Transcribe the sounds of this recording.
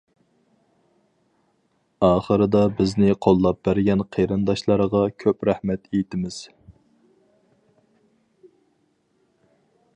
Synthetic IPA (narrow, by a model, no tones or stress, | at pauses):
ɑːχəɾɨd̪ɑbɪznɪqʰolˠːɑp̚bæɾɡʲɛnqʰeɾɨnd̪ɑʃlˠɑɾəʁɑkʲʰøpɾæhmɛt̪ʰejt̪ʰɪmɪz̥